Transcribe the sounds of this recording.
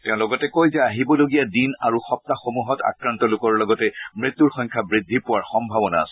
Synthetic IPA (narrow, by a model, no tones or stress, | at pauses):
tɛ̃ʊ̃lɔɡɔtɛkojzɛaɦibɔloɡijadinaɹuxɔp̚taxomuɦɔta̰kɹantɔlʊkɔɹlɔɡɔtɛmɹit̪ːuɹxɔ̃ɲkʰabɹidʱːipʊwaɹxɔmbʱabɔna̰ːsɔ